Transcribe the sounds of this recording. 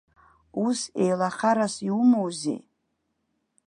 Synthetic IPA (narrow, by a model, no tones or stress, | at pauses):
usejlaχaɾasiumowzḛ